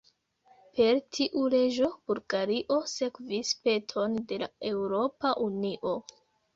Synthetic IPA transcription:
pe̞ɾtʰiʔule̞d͡ʒo̞b̥uɾɡaɾiʔo̞se̞kvispe̞tʰo̞nde̞la̰e̞wɾo̞paʔuniʔo̞

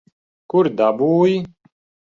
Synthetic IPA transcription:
kuɾd̪abuːj

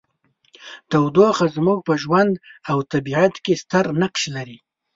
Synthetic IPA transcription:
t̪awd̪oxazmuɡ̚pəʒwand̪awt̪abiʕat̪kest̪aɾnaqʃlaɾi

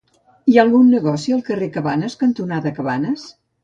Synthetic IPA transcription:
iaːlˠɣunːəɣɔsiəlˠkərekəβanəskənt̪unaðəkəβanəs

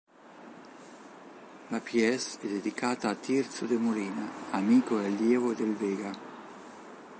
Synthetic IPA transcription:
lapjɛsɛd̪ed̪ikaːt̪aːt̪ːirt̪sʊd̪emoliːnaamiːkoɛlːjɛːvod̪elveːɡa

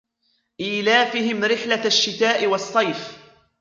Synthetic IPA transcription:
ʔiːlaːfɪɦɪmɾɪħlaaʃːɪt̪aːʔɪwɑsˤːɑjf

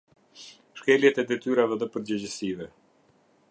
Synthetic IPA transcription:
ʃkɛljɛt̪ɛd̪ɛt̪yɾavɛðɛpəɾd͡ʑəd͡ʑəsivɛ

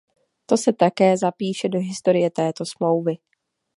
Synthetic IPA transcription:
t̪o̞sɛt̪akɛːzapiːʃɛdo̞ɦɪst̪o̞ɾɪjɛt̪ɛːt̪o̞smlo̞wvɪ

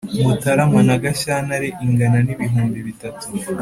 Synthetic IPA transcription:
mutaɾamwanaɡaʃanaɾeʔiŋɡananiβiɦuːmbiβitatu

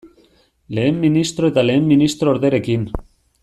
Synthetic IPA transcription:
le̞ːmːinist̪ɾo̞e̞t̪ale̞ːmːinist̪ɾo̞ːɾðe̞ɾe̞kin

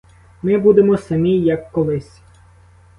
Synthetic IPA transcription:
mɪbud̪emɔsɐmʲijɐkːɔlˠɪsʲ

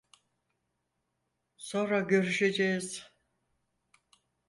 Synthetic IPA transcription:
so̞nɾaɟø̞ɾyʃe̞d͡ʒejiz̥

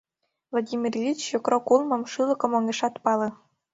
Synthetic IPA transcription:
vlˠadʲimʲirvʲit͡ɕjokrokulˠmɤ̆mʃɯlˠɤ̆kŏmŏŋɡʲĕʃɑt̪pɑlˠɤ̆

